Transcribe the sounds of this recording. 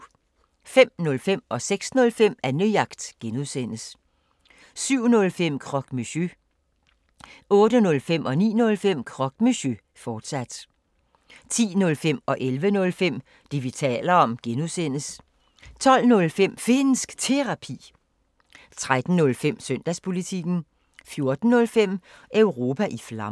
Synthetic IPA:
fem̰nɔ̽lfem̰ɒ̽seɡ̥snɔ̽lfem̰ænyjɑ̈ɡ̥d̥ɡ̥enuðˠsen̰əs | syʊ̰nɔ̽lfem̰kʰʁɒ̽ɡ̥myɕø | ɔ̽ːd̥ənɔ̽lfem̰ʔɒ̽nḭːnɔ̽lfem̰kʰʁɒ̽ɡ̥myɕø | fɒːd̥sæd̥ | t͡sʰḭːnɔ̽lfem̰ɒ̽ʔelʋənɔ̽lfem̰ | d̥e̝ʋit͡sʰɛ̰ːlɐɒ̽mɡ̥enuðˠsen̰əs | t͡sʰɒ̽l̰nɔ̽lfem̰fe̝nsɡ̥t͡sʰe̝ʁɑ̈pʰḭː | t͡sʰʁad̥n̩ːɔ̽lfem̰søn̰d̥æspʰo̝lit͡sʰiɡ̥n̩ | fjo̝ɐd̥n̩ːɔ̽lfem̰ | ʔœʊʁo̝ːpʰæʔiflɑ̈m

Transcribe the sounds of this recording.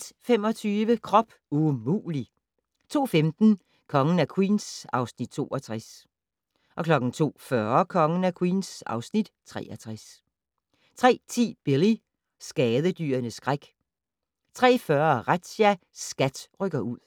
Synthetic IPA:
d̥femɒ̽t͡sʰyːʋəkʰʁɒ̽b̥ | umṵːli | t͡sʰo̝̰ːfemd̥n̩ | kʰɒ̽ŋn̩ækʰwḭːnsɑ̈ʊsnid̥t͡sʰo̝̰ːɒt͡sʰʁas | ʔɒ̽kʰlɒ̽ɡ̥n̩t͡sʰo̝̰ːfɶɐkʰɒ̽ŋən̩ækʰwḭːnsɑ̈ʊsnid̥t͡sʰʁɛ̰ːɐt͡sʰʁas | t͡sʰʁɛ̰ːt͡sʰḭːb̥eli | sɡ̥ɛːðˠəd̥y̰ːɐnəsɡ̥ʁaɡ̥ | t͡sʰʁɛ̰ːfɶɐʁad̥sæ | sɡ̥æd̥ʁœɡ̥ɐʔuð̰ˠ

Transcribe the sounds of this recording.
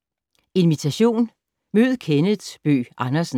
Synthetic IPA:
e̝nʋit͡sʰæɕo̝̰ːn | møð̞̩ˠkʰenə̥sb̥ø̰ːʔɑ̈nɐsn̩

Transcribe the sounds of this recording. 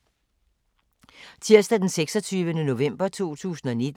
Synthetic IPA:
t͡sʰiɐsd̥æd̥enseɡ̥sɒ̽t͡sʰyːʋənəno̝ʋem̰b̥ɐt͡sʰo̝̰ːt͡sʰṵːsn̩ɒ̽ned̥

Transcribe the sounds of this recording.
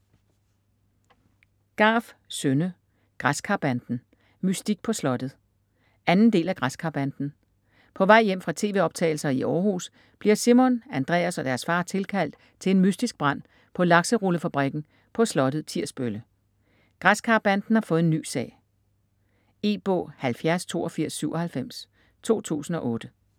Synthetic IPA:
ɡ̥ɑ̈ːfsønə | ɡ̥ʁaskʰɑ̈b̥ænd̥n̩ | mysd̥iɡ̥̚pʰɒ̽slɒ̽d̥ð̩ˠ | ænn̩d̥e̝̰ːlæɡ̥ʁaskʰɑ̈b̥ænd̥n̩ | pʰɒ̽ʋɑ̈ɪ̰jem̰fʁɑ̈t͡sʰe̝̰ːʋe̝ːɒ̽b̥̚t͡sʰɛ̰ːɪl̩sɐiʔɒːhṵs | b̥liɐsimɔnænd̥ʁɛ̰ːæsɒ̽d̥æɐsfɑ̈ːt͡sʰe̝lkʰæl̰d̥̚ | t͡sʰe̝e̝nmysd̥isɡ̥̚b̥ʁɑn̰ | pʰɒ̽lɑ̈ɡ̥səʁuləfæb̥ʁiɡ̥n̩ | pʰɒ̽slɒ̽ɾ̥ð̩ˠt͡sʰiɐ̰sb̥ølə | ɡ̥ʁaskʰɑ̈ːb̥ænd̥n̩hɑ̈fɔ̽ːð̩enːy̰ːsɛ̰ɪ | e̝ːb̥ɔ̰ːhælfjæɐst͡sʰo̝̰ːɒfiɐ̰sːyʊʔɒ̽hælfem̰s | t͡sʰo̝̰ːt͡sʰṵːsn̩ɒ̽ʔɔ̽ːd̥ə

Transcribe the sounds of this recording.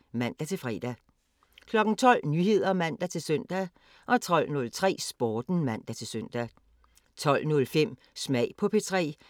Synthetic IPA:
mæn̰d̥æt͡sʰe̝lfʁɛ̰ːd̥æ | kʰlɒ̽ɡ̥n̩t͡sʰɒ̽l̰nyɦe̝ð̞̰ˠɐmæn̰d̥æt͡sʰe̝lsœn̰d̥æ | ʔɒ̽t͡sʰɒ̽l̰nɔ̽lt͡sʰʁɛ̰ːsb̥oːd̥n̩mæn̰d̥æt͡sʰe̝lsøn̰d̥æ | t͡sʰɒ̽l̰nɔ̽lfem̰ | smɛ̰ɪpʰɒ̽pʰet͡sʰʁɛ̰ː

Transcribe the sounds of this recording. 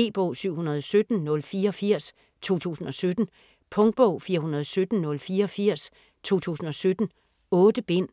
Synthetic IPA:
e̝̰ːb̥ɔʊ̰syʊ̰hunɐð̞ˠɒ̽sød̥n̩nɔ̽lfiːɐɒ̽fɐ̰s | t͡sʰo̝̰ːt͡sʰṵːsn̩ɒ̽sød̥n̩ | pʰɔ̽ŋd̥̚b̥ɔʊ̰fiːɐɦunɐð̞ˠɒsød̥n̩nɔ̽lfiːɐɒ̽fiɐ̰s | t͡sʰo̝̰ːt͡sʰṵːsn̩ɒ̽sød̥n̩ | ɔ̽ːd̥əb̥e̝n̰

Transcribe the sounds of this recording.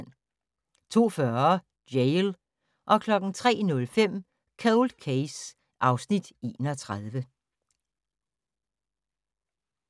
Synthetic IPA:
n̰ | t͡sʰo̝̰ːfɶɐ̥ | jeɪl | ʔɒ̽kʰlɒ̽ɡ̥n̩t͡sʰʁɛ̰ːnɔ̽lfem̰ | kʰɛʊld̥kʰes | ʔɑ̈ʊsnid̥e̝̰ːnɒt͡sʰʁaðˠʋə

